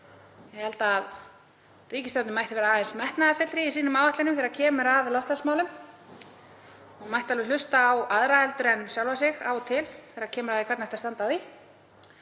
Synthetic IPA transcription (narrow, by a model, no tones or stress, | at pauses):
jɛɣhɛlt̪aːð | riːcɪst̪ɔwt̪nʏmajht̪ɪvɛːɾaaːɛnsmɛht̪naafɪt̪ɾɪisiːnʏmaːwvaht̪lɪnʏmθɛɾacʰɛːmʏɾaðlɔwht̪falsmaːwlʏm | ɔɣmajht̪alvɪlʏst̪aːwaðɾaɛlt̪ʏɾɛnsjawlvasɪɣa̰wt̪ʰɪlθɛːɾaɾcʰɛːmʏɾaðɪkʰɛɾt̪naht̪ast̪ant̪aði